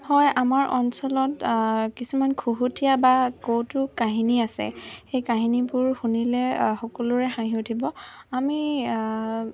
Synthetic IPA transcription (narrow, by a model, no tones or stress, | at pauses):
hɔjamaɹʔɔ̰nsɔlɔtkisumankʰuɦutʰijabakowtʊkaɦiniasɛ̰xejkaɦinibʊɹxunilɛxɔkɔlʊɹɛxãɦiutʰibɔami